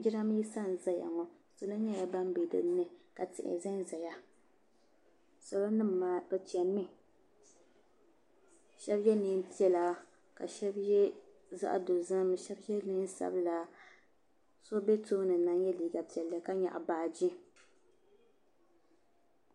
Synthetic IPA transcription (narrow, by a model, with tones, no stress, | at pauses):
d͡ʒɪ˦ɾa˦m˦ji˦sa˦n˨za˨ja̰˨ŋɔ˨ | so˨la˦ɲa˦ja˦ba˦m˦be˨dɨ̰˦˨˦nːɨ˦ka˨tɪ̰˨ʔɪ̰˨za˦n˦za˨ja˦ | sɔ˨lo˦nɨ˦m˨ma˨kɨ˨t͡ʃi˨ɛ˨mːɪ˦ | ʃɛ˦bjɛ˦nɨ˦n˦pi˦ɛ˨la˨ | ka̰˨ʃɛ˦bjɛ˦ | za̰˦ʔdo˨za˦m˦ʃɛ˦bjɛ˦nɨ˦n˦sa̰˨bɨ˦la˨ | so˦bɛ˦to˦nɨ˨na˦ŋjɛ˦liː˨ɡa˨pi˨ɛ˨la˦ka˦ɲa̰˨ʔa̰˨baː˨d͡ʒɪ˦